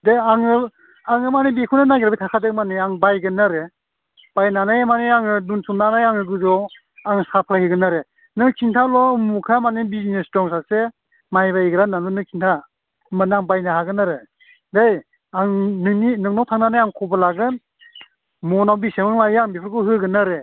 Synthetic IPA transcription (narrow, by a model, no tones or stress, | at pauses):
deaŋɯ | aŋɯmanibekʰunɯnajɡɾbitʰakʰadɯmaniaŋbajɡɯnaɾe | b̥ajnanajmaniaŋɯdunsumnanajaŋɯɡɯzɔ | aŋsapʰahiɡɯnaɾe | nɯkʰintʰalɔɯmukʰamanibizinesdɔŋs̬ase | majβaiɡɾanalunɯkʰintʰa | maniaŋbajnahaɡɯnaɾe | dej | aŋnɯninɯŋnawtʰaŋnanajaŋkʰɔbalaɡɯn | mɔnawbisemaŋlajaŋbepʰɯɾkʰuɦɯɡɯnaɾe